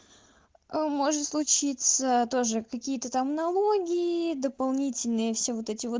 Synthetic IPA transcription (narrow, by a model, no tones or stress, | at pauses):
əmo̞ʐɨt̪slˠʊt͡ɕit̪sət̪o̞ʐɨkɐkʲijət̪ət̪amnɐlˠo̞ɡʲɪɪd̪əpɐlˠnʲitʲɪlʲnɨjəfsʲevo̞t̪ɛtʲɪvo